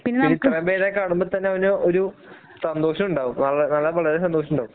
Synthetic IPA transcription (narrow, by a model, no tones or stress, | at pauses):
pinːeinːit̪ːrɐbeːɾekːaːɳumbot̪ɐnːeɐʋinooɾu | sɐnd̪o̞ːɕɐmuɳɖaːʋumnɐlːɐnɐlːɐʋɐɭɐɾes̬ɐnd̪oːʂ̬ɐmuɳɖaːʋum